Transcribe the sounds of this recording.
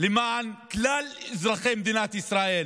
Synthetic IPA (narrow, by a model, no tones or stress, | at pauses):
limanklalɪzɾˤɑximd̪inat̪ʔəsɾˤaʔil